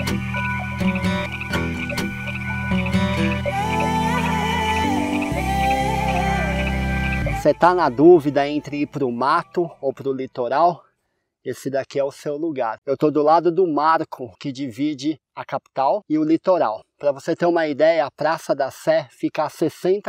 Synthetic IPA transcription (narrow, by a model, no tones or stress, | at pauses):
set̪anɐd̪uvid̪ɐẽnt̪ɾɪpɾʊmat̪ʊowpɾʊlit̪oɾaw | esɪd̪akiɛʊsewluɡaɾewt̪od̪ʊlad̪ʊd̪ʊmaɾkʰʊkɪd͡ʒivid͡ʒɪ | ɐkapi̥t̪awɪʊlit̪oɾawpɾɐvoset̪eɾũmɐid̪ɛjɐːpɾasɐd̪ɐsɛfikɐasesẽnt̪